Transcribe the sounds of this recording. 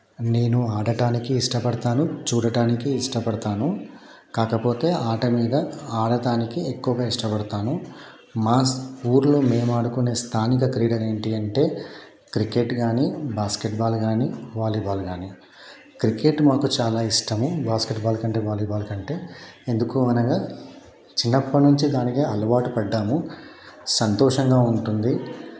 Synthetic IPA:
ne̞ːnuaːɽɐʈaːnikiːʂʈɐpɐɽɐt̪aːnut͡ʃuːɽɐʈaːnikiːʂʈɐpɐɽɐt̪aːnu | kaːkɐpo̞ːt̪e̞ːʔaːʈɐmiːd̪ɐaːɽɐʈaːnikiekːuʋɐɡaːiʂʈɐpɐɽɐt̪aːnu | maːsuːɾlume̞ːmaːɽukune̞ːst̪ʰaːnik̬ɐkɾiːɽɐɾe̞ːɳʈiɐɳʈe̞ː | kɾike̞ʈɡaːnibaːskeʈbaːlɡaːniːʋaːliːbaːlɡaːni | kɾike̞ʈmaːkut͡ʃaːlaːiʂʈɐmubaːskeʈbaːlɐkɐɳʈeːʋaːliːbaːlkɐɳʈe̞ːend̪ukuːɐnɐɡaː | t͡ʃinːɐpːɐnuɲt͡ʃid̪aːnikeɐlɐʋaːʈupɐɖːaːmu | sɐnt̪ɔːʂɐŋɡaːuɳʈund̪i

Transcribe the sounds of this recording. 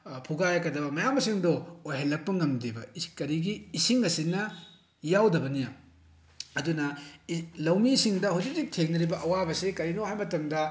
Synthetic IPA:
pʰuɡajakɐdɐbɐmɐjamːɐsiŋdoːjɦelːɐk̚pɐŋɐmdibɐkɐɾiɡiːsiŋɐsinɐ | jawdɐbɐnija | ɐdunɐ | lɐwmiːsiŋdɐɦud͡ʒik̚zik̚tʰeŋnɐɾibɐʔɐwabɐsikɐɾinohajmɐtɐmdɐ

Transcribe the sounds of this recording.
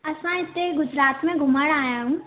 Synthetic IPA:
ɐsãɪt̪ːeɡʊd͡ʒɾaːt̪mẽɡʱʊməɽaːjãɦũ

